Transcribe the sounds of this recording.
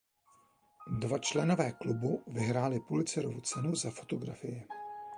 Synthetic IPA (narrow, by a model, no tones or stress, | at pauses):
dvat͡ʃlɛno̞vɛːklubuvɪɦɾaːlɪpulɪt͡sɛɾo̰vut͡sɛnuzafo̞t̪o̞ɡɾa̰fɪjɪ